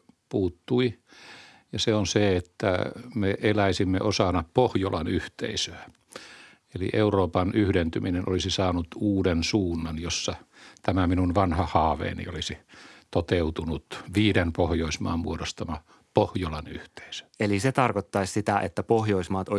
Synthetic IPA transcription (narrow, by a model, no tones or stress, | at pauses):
puːt̪ːui | jɑseonseet̪ːæ̰meʔelæisimːḛʔosɑnɑppohjolɑnyht̪ḛisøæ | elḭʔeuroːpɑnyhɾent̪yminenʔolisisɑːnut̪uːdensuːnːɑnjosːɑt̪æmæminunʋɑnhɑhɑːʋḛːnḭolisit̪ot̪eut̪unut̪ʋiːdenpohjoismɑ̰ːmmuodost̪ɑmɑ | pohjolɑny̰ht̪e̥isø̥eliset̪ɑrkot̪ːɑissit̪æʔet̪ːæpohjoismɑːt̪o